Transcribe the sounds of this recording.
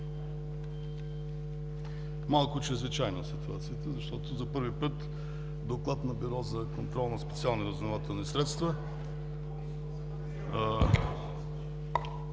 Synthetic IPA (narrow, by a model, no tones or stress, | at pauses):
malˠkʊt͡ʃɾɛzvit͡ʃajnəsit̪uat̪siət̪əzɐʃt̪ɔt̪ʊzɐpɤɾvipɤt̪ | d̪oklˠat̪nɐbiɾɔzɐkont̪ɾɔlˠnɐspɛt̪sialˠniɾəzvnovat̪ɛlˠnisɾɛt̪st̪vɐ